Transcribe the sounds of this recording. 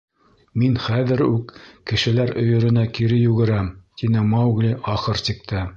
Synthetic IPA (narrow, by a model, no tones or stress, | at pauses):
minχæðɘɾʉkːɘ̆ʃɘ̆læɾɵ̆jɵ̆ɾɘ̆nækiɾɘjʉɡɘ̆ɾæmt̪inɘmɑwɡlʲiʔɑχɤɾt̪ik̚t̪ʰɘ